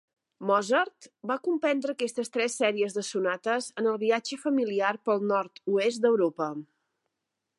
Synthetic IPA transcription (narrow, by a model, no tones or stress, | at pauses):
mɔzərt̪bakumpɛnd̪ɾəːkɛst̪əst̪ɾɛsːɛɾiəzðəsunat̪əzənəlˠβiad͡ʒəfəmiliarpəlˠnɔɾt̪uezt̪d̪əwɾopə